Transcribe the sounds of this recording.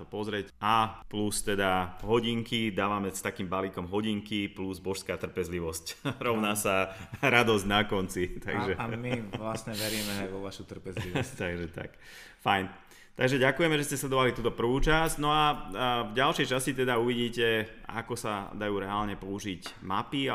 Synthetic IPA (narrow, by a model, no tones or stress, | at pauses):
apɔzɾɛcaplust̪ɛd̪aɦɔɟiŋkid̪aːʋamɛst̪akiːmbalikɔmɦɔɟiŋkipluzbɔʃskaːt̪r̩pɛzliʋɔscɾɔʊnaːsaɾad̪ɔzɟnakɔnt͡sit̪a̰ɡʒɛmiʋlasɲɛʋɛɾiːmɛʋɔʋaʃut̪r̩pɛziʋt̪aɡʒɛt̪a̰k | fajn | t̪aɡʒɛɟakujɛmɛʒɛscɛslɛd̪ɔʋalit̪uːt̪ɔpr̩ʋuːt͡ʃaznɔavɟalʃɛjt͡ʃascit̪ɛd̪auʋiɟiːcɛa̰kɔsa̰d̪ajuːɾɛaːlɲɛpuːʒicmapia